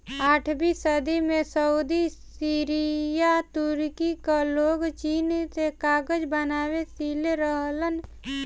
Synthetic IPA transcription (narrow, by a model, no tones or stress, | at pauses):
aːʈʰbisəd̪imesəud̪isiɾijat̪ʊɾkikaloːɡt͡ʃiːnt̪ekaːɡəd͡ʒbənaːwesiːleɾəɦlən